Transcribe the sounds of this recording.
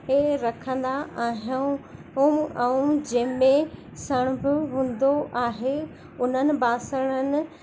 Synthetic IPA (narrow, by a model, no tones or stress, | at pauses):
eɾɐkʰə̃n̆d̪aʔaːɦijũ | ʊmɛũd͡ʑɐ̃mẽ | sɐɽ̃ʊbɪɦũːnd̪oʔaːɦe | ʊn̤ənɪ̆baːsəɽ̃ənɪ̆